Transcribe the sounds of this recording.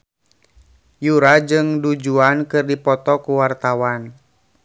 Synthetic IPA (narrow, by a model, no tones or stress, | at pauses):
juɾad͡ʒɨŋdud͡ʒuankɨrdipɔt̪ɔkuwart̪awan